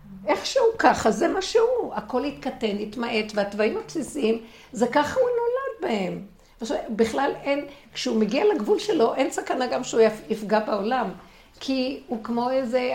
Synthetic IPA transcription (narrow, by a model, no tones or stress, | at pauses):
ʔeχʃeukaχazemaʃeuako̞lhit̪kate̞nit̪maʔe̞tveat̪vaimapsisim | zekaχauno̞lad̪̚bahem | vaʃabiχlalenkʃeumeɡialaɡvulʃe̞lo̞ʔensakanaɡamʃeuifɡabeo̞lam | kʰiukmo̞eze